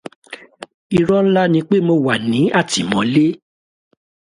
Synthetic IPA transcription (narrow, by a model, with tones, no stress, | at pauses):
i˧ɾɔ˦n̩˦la˦nĩ˨˧˦k͡pe˦mo˧wa˨nĩ˨˦ʔa˦˨ti˨mɔ̃˨˦le˦